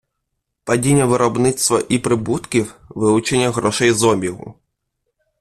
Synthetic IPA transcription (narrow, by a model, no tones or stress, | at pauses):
pɐdʲinʲːɐʋɪɾɔbnɪt̪st̪ʋɐʔipɾɪbut̪kʲiwʋɪlˠʊt͡ʃenʲːɐɣɾɔʃɛjzɔbʲiɦʊ̰